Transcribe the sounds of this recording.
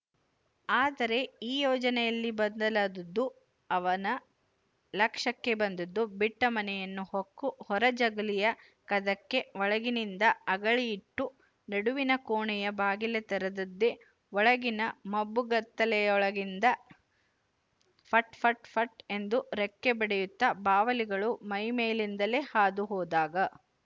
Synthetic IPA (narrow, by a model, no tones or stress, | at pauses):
aːd̪ɐɾe̞iːjɔːd͡ʒɐnɛjɐlːibɐnd̪ɐlaːd̪ɐd̪ːu | ɐʋɐnɐ | lɐkʂɐkːe̞bɐnd̪ɐd̪ːubiʈːɐmɐnɛjɐnːuhokːuhɔɾɐd͡ʒɐɡɐlijɐ | kɐd̪ɐkːe̞ʋɔɭɐɡinind̪ɐɐɡɐɭijiʈːu | nɐɽuʋinɐkoːɳɛjɐbaːɡilet̪ɐɾɐd̪ɐd̪ːe | ʋɔɭɐɡinɐmɐbːuɡɐt̪ːɐlɛjɔɭɐɡind̪ɐ | pʰɐʈpʰɐʈpʰɐʈe̞nd̪uɾekːebɐɽejut̪ːɐbaːʋɐliɡɐɭumɐjmeːlind̪ɐle̞ːhaːd̪uɦɔːd̪aːɡɐ